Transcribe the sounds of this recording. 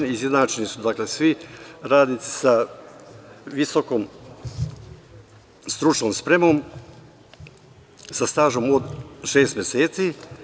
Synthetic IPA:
nizjed̪nat͡ʃenisud̪akle̞sʋiɾaːd̪nit̪si̥sa | ʋisokoːm | st̪ɾut͡ʃnoːmspɾe̞mo̞ːm | sast̪aːʒomod̪ʃe̞ːst̪mjeseːt̪siː

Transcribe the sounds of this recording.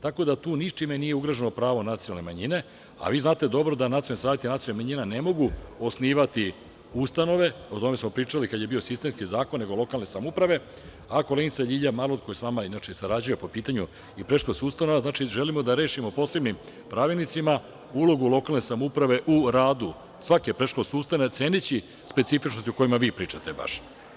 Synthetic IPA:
t̪ako̞d̪at̪uːnit͡ʃimenijeuɡɾaʒenopɾaːʋo̞nat̪sijnoalne̞maɲine̞ | a̰ʋiːznaːt̪e̞d̪o̞bɾo̞d̪anat̪iolnisaːjet̪inat̪ijolnimaɲinane̞mo̞ɡuo̞sniːʋat̪i | ust̪ano̞ʋe̞o̞t̪o̞me̞smo̞pɾiːt͡ʃalikad̪jebio̞sist̪e̞mskizaːkonːe̞ɡo̞lo̞kalˠne̞samupɾaʋe̞ | ako̞lenit̪saʎiːʎamalod̪̚ko̞jisʋamainat͡ʃeisaɾad͡ʑujepo̞piːt̪aɲu | ipɾeʃkosust̪ano̞ʋaznaːt͡ʃiʒelimo̞d̪aɾeːʃimo̞po̞se̞bnim | pɾaʋelnit̪sima | ulo̞ɡulˠo̞kalˠne̞samoupɾaʋe̞ʔuɾaːd̪u | sʋakepɾeʃkosust̪anot̪seːnit͡ɕi | spe̞t̪sifit͡ʃno̞st̪uko̞jimaʋiːpɾiːt͡ʂat̪eba̰ʃ

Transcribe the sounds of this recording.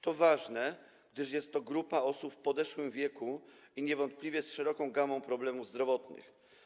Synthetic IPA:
t̪ɔvaʐnɛ | ɡ̥̚d̪ɘʂjɛst̪ːɔɡɾupaɔsupfpɔd̪ɛʂwɘmvʲjɛkuiɲɛvɔnt̪̚plʲivʲjɛsʂɛɾɔkɔ̃w̃ɡamɔ̃w̃pɾɔblɛmuvzd̪ɾɔvɔt̪nɘ̰x

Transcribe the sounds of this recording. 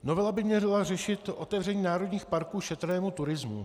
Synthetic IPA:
no̞vɛlabɪmɲɛrɪlar̝ɛʃɪt̪ʔo̞t̪ɛvrɛɲiːnaːɾo̞dɲiːxpaɾkuːʃɛt̪ɾɛːmut̪uɾɪzmṵ

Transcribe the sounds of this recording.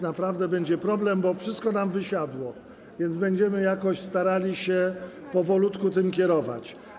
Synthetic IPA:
napɾavd̪ɛbɛɲd͡ʑɛpɾɔblɛmbɔfʂɘst̪̚kɔnamvɘɕad̪wɔ | vʲjɛnd̪zbɛɲd͡ʑɛmɘjakɔɕst̪aɾalʲiɕɛ | pɔvɔlut̪kut̪ɘmkʲɛɾɔva̰t͡ɕ

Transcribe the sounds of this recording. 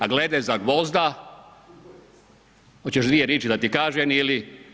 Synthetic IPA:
aɡled̪ezaɡʋo̞zd̪a | hot͡ɕeʃd̪ʋijeɾeːt͡ʃid̪at̪ikaːʒɛmili

